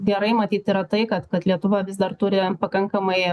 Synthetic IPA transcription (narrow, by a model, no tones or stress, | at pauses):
ɡʲɛɾɐɪmɐt̪ʲiːt̪iːɾɐt̪ɐɪkɐt̪kɐt̪lʲiɛt̪ʊʋɐʋʲɪsd̪ɐrt̪ʊːɾʲɪpɐkɐŋkɐmɐɪ